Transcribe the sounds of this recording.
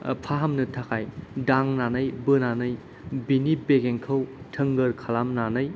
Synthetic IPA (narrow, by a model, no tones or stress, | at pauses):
pʰaɦɐmnɯtʰakʰajdaŋnanɯjbɯnanɯj | binibeɡeŋkʰɐw | tʰɯŋɡɯɾkʰalamnanɯj